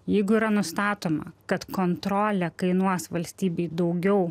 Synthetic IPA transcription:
jɛɪɡʊiːɾɐnʊst̪ɑːt̪oːmɐ̰kɐt̪kont̪ɾoːlʲɛkɐɪnuɔsʋɐlʲsʲt̪ʲiːbʲeɪd̪ɐʊɡʲɛʊ

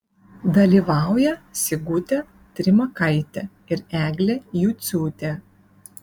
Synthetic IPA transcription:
d̪ɐlʲiːˑʋɑˑʊjɛsʲɪɡʊt̪ʲɛ | t̪ʲɾʲɪmɐkɐɪt̪ʲɛ | ɪɾæːɡlʲɛjuːt̪sʲuːt̪ʲɛ

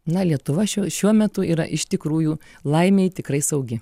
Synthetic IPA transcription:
nɐlʲiɛt̪ʊʋɐʃʲuʃʲuɔmʲɛt̪ʊiːɾɐ̰ʔɪʃt̪ʲɪkɾuːjuː | lˠɐɪmʲeːjt̪ʲɪkɾɐɪsɐʊɡʲɪ

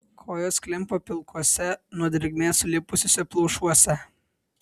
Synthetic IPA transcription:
kʰoːjoːsklʲɪmpoːpʲɪlˠkʰuɔsʲɛnuɔd̪ʲɾʲɪɡʲmʲeːsʊlʲɪpʊsʲosʲɛplˠɔʊʃuɔsʲɛ

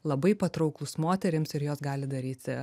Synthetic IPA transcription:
lˠɐbɐɪpɐt̪ɾɒʊklˠʊsmoːt̪ʲɛɾʲɪmsɪɾjoːsɡɑːlʲɪd̪ɐɾʲiːt̪ʲ

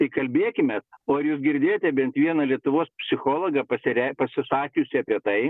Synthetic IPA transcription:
ɪkɐlʲbʲeːkʲɪmʲɛt̪oːɐɾjuːsɡʲɪɾʲd̪ʲeːjoːt̪ʲɛbʲɛnt̪ʋʲiɛnɐlʲiɛt̪ʊʋoːspʲsʲɪxoːlˠoɡɐpɐsʲɪɾʲɛpɐsʲɪsɑːkʲʊsʲɪɐpʲiɛt̪ɐɪ

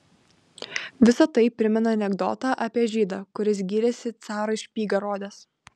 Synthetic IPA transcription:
ʋʲɪsɐt̪ɐɪpʲɾʲɪmʲɛnɐɐnʲɛɡd̪o̰ːt̪ɑʔɐpʲiɛʒʲiːd̪ɑːkʊɾʲɪs̬ɡʲiːɾʲɛsʲɪt̪sɑːɾɐɪʃʲpʲiːɡɐɾoːd̪ʲɛs

